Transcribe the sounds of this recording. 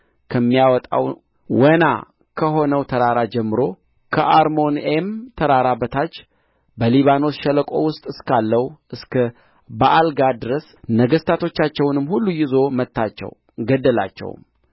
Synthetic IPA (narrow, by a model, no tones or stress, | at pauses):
kʰəmːijawɔt̪ʼa̰w | wəna̰ | kʰəɦo̞nəwt̪ʰəɾaɾad͡ʒɛmːɨɾo̞ | kʰəʔaɾmo̞nemt̪ʰəɾaɾabət̪ʰat͡ʃː | bəliβano̞sʃɛləkʼo̞̰wʊst̪ʼɨskʰalːəwʔɨskʰə | bəʔalɡad̪ɨɾəs | nəɡəst̪ʰat̪ʰo̞t͡ʃːat͡ʃːɛwnɨmːhulːujɪzo̞mət̪ːat͡ʃːɛ̰w | ɡəd̪ːəla̰t͡ʃːɛ̰w̰m